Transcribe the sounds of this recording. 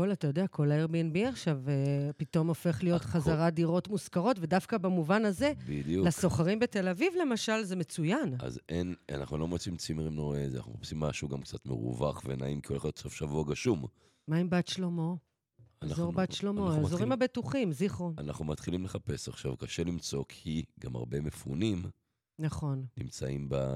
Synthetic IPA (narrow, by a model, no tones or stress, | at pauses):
kolatajodeakʰo̞laeʁbienbiaχʃavepito̞mo̞fe̞χlijo̞t̪χazaʁadiʁo̞tmuskaʁo̞tve̞dafkabamuvanaze̞bid̪ulasoχaʁimbete̞lavivle̞maʃalze̞me̞t͡sujana̰zena̰naχnulo̞mot͡simt͡simeʁimnoʁez̰anaχnuχapsimːaʃuɡamkt͡sat̪mḛʁṵvaχvena̰imkioleχot̪sofʃavuaɡaʃum | maimbat̪ʃlomo̞ | anazoʁbatʃlo̞moazoʁimhabetuχimziχʁonanaχnumat̪χilimle̞χape̞saχʃavkaʃe̞limt͡so̞kʰiɡama̰ʁbe̞mefṵnim | naχo̞nnimt͡saimba